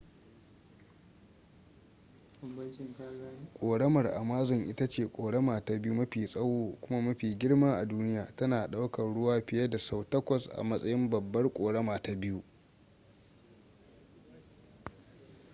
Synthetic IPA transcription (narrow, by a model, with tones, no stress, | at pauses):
kʷʼoː˨ɽɐ˦mɐ˨rʔa̰˨maː˦zɔ˨ŋʔɪ˦ta˦t͡ʃeː˨kʷʼoː˨ɽɐ˦maː˨ta˨bɪ˦ju˦mɐ˦ɸiː˨sʼɐ˦woː˦kʷʊ˦ma˦mɐ˦ɸiː˨ɡʲɪ˦ɽmaː˦ʔa˨duː˦nɪ˦jaː˨tɐ˦naː˨ɗa˦wkɐ˨ɽʊ˦waː˦ɸɪ˨jɐ˦da˨sa˦wtɐ˦kʷɔ˨sʔa̰˨mɐ˦sʼɐ˦jɪ˦mbɐ˨bːɐ˦rkʷʼoː˨ɽɐ˦maː˨ta˨bɪ˦ju˦ʔ